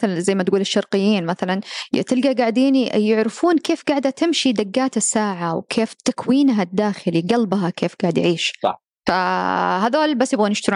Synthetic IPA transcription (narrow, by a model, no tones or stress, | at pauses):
aθalanzajmat̪ɡuːlɪʃːɑɾˤqɪjːiːnmaθalant̪ɪlɡaɡaʕd̪iːnijɪʕɾɪfuːnkeːfɡaʕd̪at̪ɪmʃid̪aɡːaːt̪asːaːʕawkʰeːft̪akwiːnɦad̪ːaːxɪliɡɑlbɦakʰeːfɡaʕɪd̪jʕiːʃɑ̰ | faɦaðoːlbasːjɪbɣanɪʃt̪ɪɾ